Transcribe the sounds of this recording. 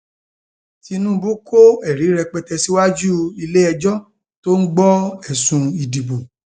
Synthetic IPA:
ti˨˧nũ˦bu˦kʰo˦ɛ˦˨ɾi˨˦ɾɛ˧k͡pɛ˧tɛ˧si˦wa˦d͡ʒu˦i˧le˦ɛ˧d͡ʒɔ˦ | to˦n̩˦ɡ͡bɔ˦ɛ˦˨sũ˧i˨di˨bo˨

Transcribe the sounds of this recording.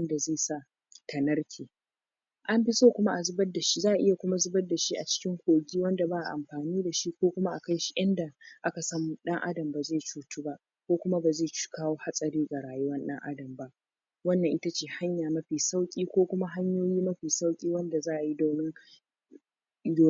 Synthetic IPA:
nda˨zeː˦˨sa˦˨ | tɐ˨nɐ˦rkʲʰeː˨ | ʔa˦mbɪ˦soː˦kʷʊ˦ma˦ʔa˨zʊ˦bɐ˦dːa˨ʃi̥˦zaː˦˨ʔa˨ʔɪ˦ja˨kʷʊ˦ma˦zʊ˦bɐ˦dːa˨ʃi˦ʔa˨t͡ʃɪ̥˦kʲɪ˦ŋkʷoː˨ɡʲiː˦wɐ˦nda˨baː˦ʔa̰˨ʔa̰˨mɸaː˨niː˦da˨ʃi˦kʷoː˦kʷʊ˦ma˦ʔa˨ka˦jʃi̥˦jɐ˦nda˨ʔa˦ka˨sɐ˦m˨ɗɐ˦ŋʔa̰˦dɐ˨mba˨zeː˦˨t͡ʃuː˨tuː˦ba˦ʔ | kʷoː˦kʷʊ˦ma˦ba˨zeː˦˨t͡ʃkaː˦woː˦ha˦sʼɐ˨ɾiː˦ɡa˨ɽaː˨jʊ˦wɐ˦nɗɐ̰˦ŋʔa̰˦dɐ˨mba˦ʔ | wɐ˦nːɐ˨ŋʔɪ˦ta˦t͡ʃeː˦˨ha˦ɲjaː˨mɐ˦ɸiː˨sa˦wkʲʼiː˦kʷoː˦kʷʊ˦ma˦ɦa˦ɲjoː˦jiː˦mɐ˦ɸiː˨sa˦wkʲʼiː˦wɐ˦nda˨zaː˦ʔa˨ji˦doː˨nɪ˦ŋ | joː˨˦

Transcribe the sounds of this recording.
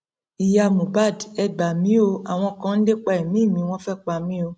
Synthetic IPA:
i˨ja˧˨mũ˨ba˦˨dɛ˧ɡ͡ba˨mĩ˨˦o˧a˨w̃ɔ̃˧kã˨˦n̩˦de˦k͡pa˧i˨mĩ˨˦˨mĩ˨˧˦w̃ɔ̃˦fɛ˦k͡pa˧mĩ˦o˧

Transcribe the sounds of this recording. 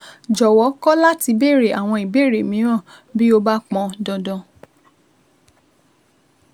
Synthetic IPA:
d͡ʒɔ˨wɔ˨˦kɔ˦la˦ti˨˧be˦˨ɾe˨a˨w̃ɔ̃˧i˨be˦˨ɾe˨mĩ˨˦ɾ̃ã˦˨bi˦o˧ba˦k͡pɔ̃˧dɔ̃˧dɔ̃˧

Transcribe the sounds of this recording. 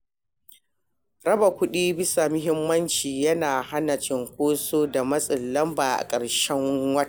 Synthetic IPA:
ɾɐ˦ba˨kʷʊ˦ɗiː˦bɪ˦sa˨mʊ˦ɦɪ˦mːɐ˦nt͡ʃiː˨jɐ˦naː˨ha˦na˨t͡ʃɪ˦ŋkʷoː˦soː˦da˨mɐ˦sʼɪ˨llɐ˦mbaː˨ʔa̰˨kʼɐ˨ɽʃɛ˦ŋwɐ˦˨

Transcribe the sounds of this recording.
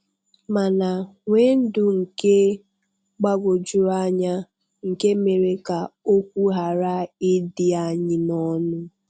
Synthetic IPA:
ma˨na˨ŋʷe˦n̩˦dʊ˨ŋ̩˨ke˦ | ɡ͡ba˦ɡʷo˨d͡ʒʊ˦ɾa˦ɲa˦ | ŋ̩˨ke˦me˨ɾe˦ka˨o˦kʷu˦ɦa˨ɾa˦ɪ˦dɪ˦a˨ɲɪ˦nɔ˦nʊ˦

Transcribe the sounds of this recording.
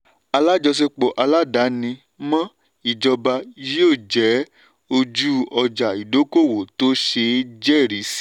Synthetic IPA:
a˧la˦d͡ʒɔ˧s̬e˧k͡po˨ʔa˧la˦da˨˦nĩ˧ | mã˦ | i˦˨d͡ʒɔ˧ba˧i˧je˦o˦˨d͡ʒɛ˨˦ | o˧d͡ʒu˦ɔ˧d͡ʒa˨i˨do˨˦ko˦˨wo˨to˦ʃe˧d͡ʒɛ˦˨ɾi˨˦si̥˦

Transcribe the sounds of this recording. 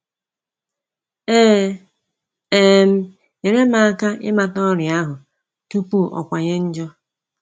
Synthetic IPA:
e˦˨m̩˦ | ɲe˨ɾe˦ma˨a˦ka˦ʔɪ̰˦ma˨tɔ˦ɾja˦ɦʊ˨ | tu˦pu˦ʔɔ̰˨kʷa˨ɲe˦n̩˦d͡ʒɔ˦

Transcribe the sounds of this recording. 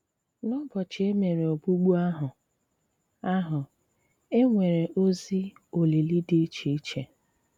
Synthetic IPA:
nʊ˦bɔ˨t͡ʃɪ˨e˦me˨ɾe˨o˨bu˦ɡ͡bu˦a˦ɦʊ˨ | a˦ɦʊ˨ | e˦ŋʷe˨ɾe˨ʔo˦zi˦o˨li˨li˦de˦t͡ʃe˨i˦t͡ʃe˨

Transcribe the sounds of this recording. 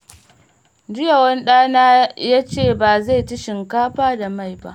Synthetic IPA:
d͡ʒɪ˦ja˨wɐ˦nɗaː˦naː˦jaː˦t͡ʃeː˦˨baː˨za˦˨jtɪ˦ʃɪ˨ŋkaː˦ɸaː˦da˨ma˦˨jba̰˦ʔ

